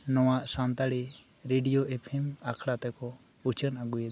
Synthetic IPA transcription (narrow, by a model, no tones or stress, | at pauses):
nɔwaʔsant̪aɽi | ɾeɖijoʔepʰemakʰɽat̪ɛkɔ | ut͡ʃʰənaɡuje